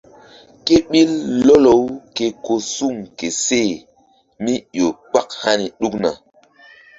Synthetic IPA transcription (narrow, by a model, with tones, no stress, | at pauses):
ke˦ɓi˦lːo˦lo˨˦wke˨ko˨su˦˨ŋke˨se˦˨ | mi˦jo˨k͡pa˦k̚ha˦ni˨ɗu˦kna̰˨